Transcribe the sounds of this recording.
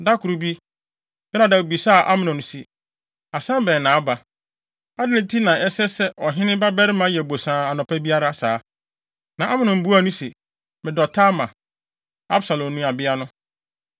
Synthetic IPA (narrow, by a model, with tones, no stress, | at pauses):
da˦kʰʊ˨ɾu˨bi˦ | bɛ˦nã˨da˨o˨bi˨sa˦˨ʔa̰˦mɪ̃˨nʊ̃˨ñ˨si˨ | a˨sã˦bɛ̃˨nãː˨˦ba˨ | a˦dɪ˦nɪ̃˨tʰi˦nã˨ɛ˦sɛ˦sɛ˦ʔɔ˨ɦɪ̃˦nɪ̃˦ba˦bɛ˦ɾɪ˦mã˨˦jɛ˨bo˨sãː˨˦˨a˨nʊ̃˨pʰɛ˦bi˦a˦ɾa˦˨saː˨˦ | nã˨ʔa˦mɪ̃˨nʊ̃˨m̩˨bu˦a˦˨nʊ̃˦si˨ | mɪ̃˨dɔ˨tʰa˦mã˨ | a˦bsa˨lɔ̃˨m˦nũ˦a˨bɪ˦a˦nʊ̃˦